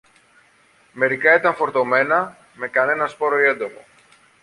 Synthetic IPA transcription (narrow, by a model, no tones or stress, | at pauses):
me̞ɾikɐit̪ɐɱfo̞ɾt̪o̞me̞nɐ | me̞kɐne̞nɐspo̞ɾoie̞nd̪o̞mo̞̰